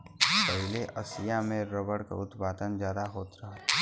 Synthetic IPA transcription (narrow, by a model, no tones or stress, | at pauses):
pəɦleʔəsɪjamẽɾəbəɽka̰ʊt̪paːt̪ənd͡ʒjaːd̪aɦoːt̪ɾɐɦa